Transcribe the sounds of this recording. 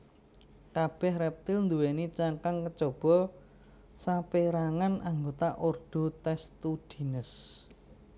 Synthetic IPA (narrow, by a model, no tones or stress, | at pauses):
kab̥ɛhrɛp̚t̪ɪlnd̪uwenit͡ʃaŋkaŋkət͡ʃob̥ɔ̤ | sapeɾaŋanʔaŋɡot̪aʔorɖ̪̥o̤t̪ɛst̪ud̪̥i̤nəs